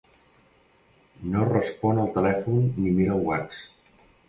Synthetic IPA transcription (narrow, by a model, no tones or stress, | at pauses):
norəspɔnəlˠt̪əlɛfunːimeɾəwwas